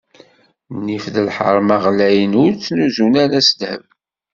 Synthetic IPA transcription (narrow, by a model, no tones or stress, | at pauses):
nifðəlħə̰ɾˤmɑʁlæjənʊɾt͡sːnuzunænæsəd̪hə̰v